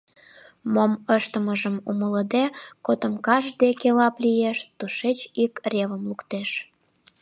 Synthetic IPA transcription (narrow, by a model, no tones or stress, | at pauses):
moməʃt̪əməʒəmṵmələd̪ekot̪ə̆mkɑʒd̪ekelɑplʲijeʃt̪uʃet͡ɕikrʲeβəmlukt̪eʃ